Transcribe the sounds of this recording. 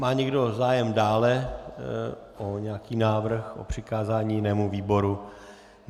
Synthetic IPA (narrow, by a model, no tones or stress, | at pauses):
maːɲɛɡdo̞zaːjɛmdaːlɛ | ʔoɲɛakiːnaːvr̩xʔo̰pr̝̥ɪkaːzaːɲiːjɪnɛːmuviːbo̞ɾu